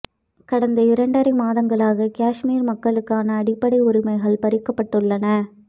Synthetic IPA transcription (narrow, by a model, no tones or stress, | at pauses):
kɐɽɐnd̪ɐɪɾɐɳɖɐɾɐmaːðɐŋɡɐɭaːɣɐkaːʂmiːɾmɐkːɐɭɯkːaːnɐːɽɪpːɐɽɐɪʊɾɪmɐɪɣɐɭpɐɾɪkːɐpːɐʈːɯɭːɐnɐ